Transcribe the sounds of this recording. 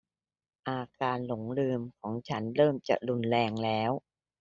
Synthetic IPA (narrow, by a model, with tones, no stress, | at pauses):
ʔaː˧kaː˧nlo˩˦ŋlɯː˧mkʰɔː˩˦ŋt͡ɕʰa˦˥nɾɤː˥˩mt͡ɕa̰˨˩ɾu˧nlɛː˧ŋlɛː˦˥w